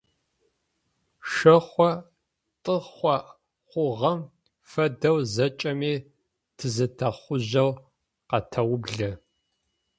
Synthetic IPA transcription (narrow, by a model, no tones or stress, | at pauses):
ʃɐχʷɔ | tʼɨχʷɔ | χʷʊʁɐm | fɐdɐwzɐt͡ʃʼɐmiː | tʰɨzɨtʰɐχʷʊʑɐw | qɐtʰɐwʊbɮɐ